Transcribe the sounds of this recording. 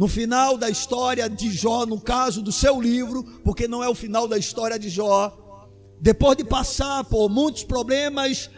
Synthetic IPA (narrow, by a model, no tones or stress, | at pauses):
nʊfinawd̪ɐiʃst̪ɔɾiɐd͡ʒɪʒɔnʊkazʊd̪ʊsewlivɾʊpoɾkenɐ̃w̃ɛʊfinawd̪ɐist̪ɔɾiɐd͡ʒɪʒɔ | d̪epozd̪ɪpasaɾpoɾmũj̃t̪ʊ̥spɾoblẽmɐs